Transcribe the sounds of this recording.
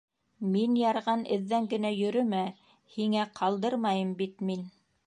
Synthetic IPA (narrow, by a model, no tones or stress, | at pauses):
minjɑɾʁɑnɘ̆ðːæŋɡɘ̆næjɵ̆ɾɵmæ | hiŋæqʰɑlˠd̪ɤɾmɑjɤmbit̪min